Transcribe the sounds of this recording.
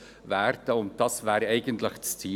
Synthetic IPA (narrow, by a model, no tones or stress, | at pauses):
ʋæːrtəʊn̚d̥ɑsʋaːɾɛɪɡəntləxst͡siː